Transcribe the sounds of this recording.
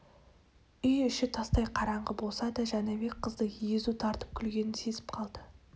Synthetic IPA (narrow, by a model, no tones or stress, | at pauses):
ʏjʏʃɪt̪ʰɑst̪ɑjqʰɑɾɑɴʁəbo̞lˠsɑd̪ɑʒæneβe̞k̚qʰəzd̪əjezut̪ʰɑɾt̪ə̥p̚kʲʰʏlɡʲe̞nɪnse̞zɪ̥p̚qʰɑlˠd̪̥ə